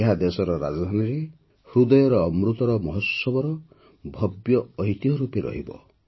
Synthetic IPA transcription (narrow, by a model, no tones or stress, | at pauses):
eɦad̪esɔɾɔɾa̰d͡ʒd̪ʱaniɾe | hɾud̪ɔjɔɾɔːmɾut̪ɔɾɔmɔɦɔsɔbɔɾɔ | bʱɔbjɔɔɦit̪iɦɔɾupeɾɔ̰ɦibɔ̰